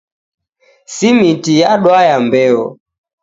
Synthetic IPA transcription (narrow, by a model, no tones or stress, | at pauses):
simitijaɗwajambɛɔ̰